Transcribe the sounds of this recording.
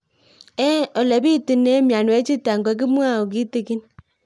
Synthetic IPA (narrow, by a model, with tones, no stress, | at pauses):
e˦ɔ˨le˨bi˦˨ti˨ne˦mja˨nwe˨˦t͡ʃi˦ta˨ŋ˨ɡʷe˨k̬i˦m˦a˦˨o˨k̬i˦te˦ki˦n